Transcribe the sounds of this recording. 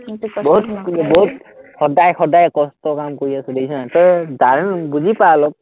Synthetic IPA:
boɦutboɦut̚xɔdajxɔdajkɔstɔkamkoɹiasʊdejsɔnatɔɹɛdaɹɛnbuzipalɔk̚

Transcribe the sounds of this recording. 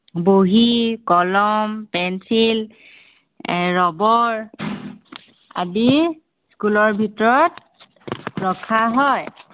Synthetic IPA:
boɦikɔlɔmpɛnsil | ɹɔbɔɹ | a̰di | skulɔɹbʱitɔɹɔt | ɹɔkʰːaɦɔj

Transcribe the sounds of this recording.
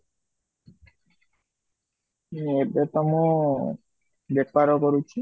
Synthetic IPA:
iebet̪ɔmu | bepaɾokoɾut͡ʃʰi

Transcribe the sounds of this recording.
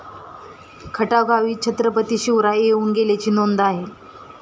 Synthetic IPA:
kʰəʈaɡʱaʋiːt͡ɕʰət̪ɾəpət̪iːɕiʋɾaeuːnɡelat͡ɕiːnond̪aɦe

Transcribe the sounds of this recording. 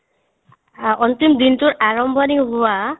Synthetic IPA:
ɔnt̪imd̪intuɹʔaɹɔmbʱɔniɦʊwa

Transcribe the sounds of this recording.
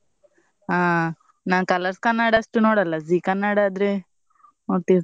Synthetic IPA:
aː | naːnkɐlɐɾskɐnːaːɽɐːʂʈunoːɽɐlːɐziːkɐnːaːɽaːd̪ɾe | ot̪i

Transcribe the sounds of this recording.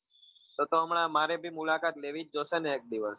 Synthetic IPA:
t̪ot̪oəmɳ̃amaɾebʱimulakat̪leʋit͡ʃ̚d͡ʒoseneːk̚d̪iʋəs

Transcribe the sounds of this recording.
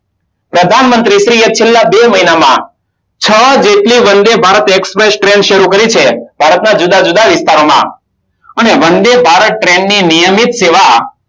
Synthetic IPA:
pɾəd̪ʱanmənt̪ɾiʃɾiet̪̚t͡ʃʰelːabeməinamã̰ | t͡ʃʰəd͡ʒeʈliʋənd̪ebʱaɾət̪ekspɾesʈɾeɳɖʃəɾukəɾit͡ʃʰeb̥ʱaɾət̪nad͡ʒud̪ad͡ʒud̪aʋɪst̪aɾomã̰ | əneʋənd̪ebʱaɾəʈɾẽɳɖninijəmit̪seʋa

